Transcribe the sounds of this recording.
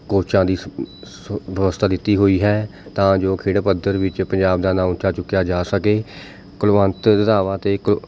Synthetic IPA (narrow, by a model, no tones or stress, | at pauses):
koːt͡ʃãːd̪iː | ʋəəst̪ʰaːd̪ɪt̪ːiːɦoːiːɦɛːt̪ãːd͡ʒoːkʰeːɽpəd̪əɾʋɪt͡ʃpəɲd͡ʒaːbd̪aːnãːmʊt͡ʃaːt͡ʃʊkːjaːd͡ʒaːsəkeː | kəlʋə̃nt̪d̪əd̪aːʋãːt̪eːk